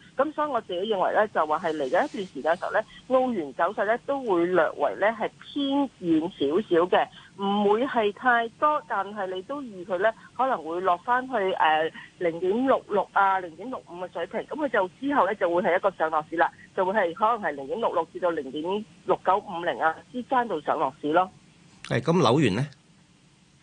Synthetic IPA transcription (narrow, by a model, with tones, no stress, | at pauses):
kɐ˨˥msɔː˦˥ji˨˧ŋɔ˨˧t͡siː˨kɛ˨˥jɪ˨˧ŋwɐ̰˨˩jlɛ˥t͡sɐ˨waː˨ɦɐ˨jle˨˩jkɐ˨˥jɐ˥t̪yː˨nsiː˨˩kaː˧nsḭ˨wlɛ˥ŋo˧wjyː˨˩nt͡sɐ˨˥wsɐ˨t̚lɛ˥t̪o˥wwuː˨˧jlœː˨k̚wɐ̰˨˩jlɛː˥ɦɐ˨jpʰiː˥njiː˨nsiː˨˥wsiː˨˥wkɛ˧m̩˨˩wuː˨˧jhɐ˨jt̪ʰaː˧jt̪ɔː˥t̪aː˨nɦɐ˨jle˨˧jt̪o˥wjiː˨kʰɵ˨˧ɥlɛ˥hɔː˨˥lɐ˨˩ŋwuː˨˧jlɔː˨k̚faː˥nɦɵ˧ɥʔɛː˨lɪ˨˩ŋt̪iː˨˥mlʊ˨k̚lʊ˨k̚aː˧lɪ˨˩ŋi˨˥mlʊ˨k̚m̩˨˧kɛː˧sɵ˨˥ɥpʰɪ˨˩ŋkɐ˨˥mkʰɵ˨˧ɥt͡sɐ˨wt͡siː˥ɦɐ˨wlɛː˥t͡sɐ˨wu˨˧jɦɐ˨jɐ˥t̚kɔː˧sœː˨˥ŋlɔː˨k̚siː˥laː˧t͡sɐ˨wu˨˧jhɐ˨jɦɔː˨˥lɐ˨˩ŋhɐ˨jlɪ˨˩ŋt̪i˨˥mlʊ˨k̚lʊ˨k̚t͡siː˧t̪o˧wlɪ˨˩ŋt̪iː˨˥m | lʊ˨kːɐ˨˥wm̩˨˧lɪ˨˩ŋaː˧t͡siː˥kaː˥nt̪o˨wsœː˨˥ŋlɔː˨k̚siː˨˥lɔː˥ | hɐ̰˨jkɐ˨˥mlɐ˨˥wjyː˨˩nlɛ˥